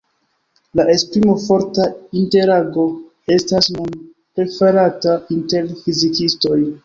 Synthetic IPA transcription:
laʔe̞spɾimo̞fo̞ɾtainte̞ɾaɡo̞ | e̞stasmon | pɾe̞feɾatainte̞ɾfizikisto̞j

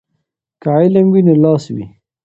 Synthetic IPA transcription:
kaajlamwinolɑːswḭ

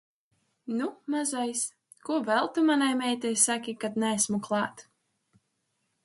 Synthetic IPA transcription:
numazɔjs | kuɔvɛlˠt̪umanajmɛjt̪ɛjsakʲikad̪næesmuklˠɑːt̪

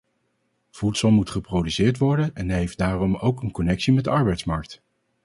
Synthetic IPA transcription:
v̥utsəlˠmutχəprowdysɪːɹtʋɔɹdənɛnɦejfdaːrɔmowkənkɔnɛksimɛdəɑɹbɛjtsmɑɹk̚t

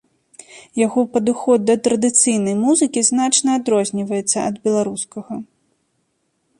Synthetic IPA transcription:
jaɣɔpɐd̪uxɔd̪̚ːɐt̪ɾɐd̪ɨt̪sɨjnɐjmuzɨkʲiznat͡ʂnɐːd̪ɾɔzʲnʲivɐjɛt̪sːɐɐd̪bʲɛlˠaɾuskɐɣɐ

